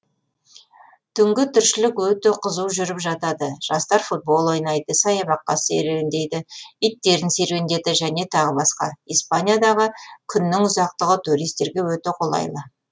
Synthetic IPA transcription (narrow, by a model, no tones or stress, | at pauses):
t̪ʰʏŋɡʲɪt̪ʰʏɾʃɪlɪkwɵt̪eqʰəzuwʒʏɾɪpʒɑt̪ɑd̪əʒ̥ɑst̪ɑɾfut̪̚bo̞lˠojnɑjd̪əsɑjɑβɑqːɑseɾend̪e̞jd̪ɪijt̪ːe̞ɾɪnse̞ɾwend̪e̞d̪ɪʒæne̞t̪ʰɑʁəbɑsqɑ̰ispanijad̪ɑʁəkʲʰʏnːɪŋʊzɑq̚t̪əʁət̪ʰuɾijst̪e̞ɾɡʲe̞wɵt̪eqʰolˠɑ̰jlˠə